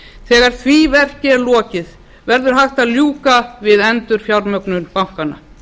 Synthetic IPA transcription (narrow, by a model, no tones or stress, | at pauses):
θɛːɣaɾ̥θvivɛr̥cɪlɔːcɪð | vɛɾðʏɾ̥ɦaxt̪aðljuːkavɪðɛnt̪ʏɾ̥fjawɾmœknʏnpam̥kanːa̰